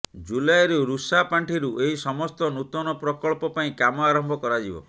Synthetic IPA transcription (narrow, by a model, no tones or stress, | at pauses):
d͡ʒulajɾuɾusapaɳʈʰiɾuʔeɦisɔmɔst̪ɔnut̪ɔnɔpɾɔkɔɭpɔpaĩkamɔaɾɔmbʱɔkɔɾad͡ʒibɔ̰